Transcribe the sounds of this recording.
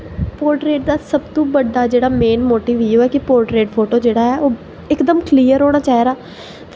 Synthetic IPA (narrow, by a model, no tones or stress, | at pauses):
poːɾʈɾeːʈ̚d̪aːsəbt̪õːbəɖːaːd͡ʒeːɽaːmeːnmoːʈiːʋiːjõːɛːkɪpoːɾʈɾeːʈpʰoːʈoːd͡ʒeːɽaːɛːoː | ɪkd̪əmkʰliːəɾɦoːɽ̃aːt͡ʃaːɦiɾaː | t̪